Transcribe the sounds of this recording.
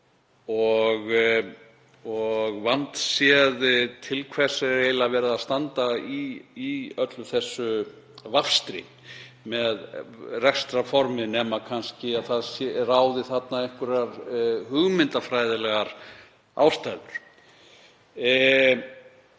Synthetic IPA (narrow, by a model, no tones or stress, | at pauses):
ɔɣ | ɔɣvant̪sjɛðɪt̪ʰɪlkʰvɛsaɾɾeːjlavɛːɾaðaðst̪ant̪aiː | œt̪lʏθɛsːʏ | vafst̪ɾɪ̰ | mɛðrɛkst̪ɾafɔɾmɪnɛːmakʰanscɪaðθaðsraːwðɪθat̪naɛŋkʏɾaɾhʏɣmɪnt̪afɾaːjðɪlɛɣaɾ | a̰ːwst̪ajðʏɾ̥